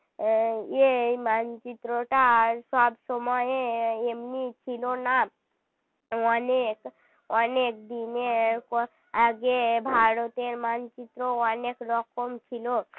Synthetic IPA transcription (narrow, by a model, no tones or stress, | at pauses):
jemant͡ʃit̪ɾoʈasabsɔmɔjeemnit͡ʃʰilona | ɔnek | ɔnek̚d̪ineɾko | aɡebʱaɽot̪eɾmant͡ʃit̪ɾoɔnekɾɔkɔmt͡ʃʰilo